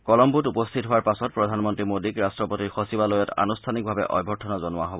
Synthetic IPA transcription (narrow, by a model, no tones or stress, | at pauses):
kɔlɔmbutupɔstʰitɦowaɹpasɔt̚pɹɔdʱanmɔntɹimodikɹastɹɔpotiɹxosibalojɔta̰nustʰanik̚bʱabɛ̰ʔɔ̰jbʱɔɹtʰɔnɔzɔnʊwaɦobɔ